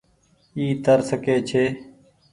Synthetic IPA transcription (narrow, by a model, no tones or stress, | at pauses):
iːt̪əɾsəkeːt͡ʃʰeː